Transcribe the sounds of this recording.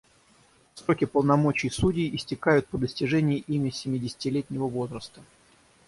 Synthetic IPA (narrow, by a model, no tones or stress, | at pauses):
sɾo̞kʲɪpəlˠnɐmo̞t͡ɕɪjsudʲɪjʔɪsʲtʲɪkajʊt̪̚pəd̪əsʲtʲɪʐɛnʲɪjɪʔimʲəsʲɪmʲɪdʲɪsʲɪ̥tʲɪlʲetʲnʲɪvəvo̞zɾəst̪ə̥